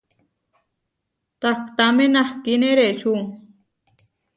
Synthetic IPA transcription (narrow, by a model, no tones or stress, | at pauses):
t̪akʰt̪amenahkineɾet͡ʃʰuŋ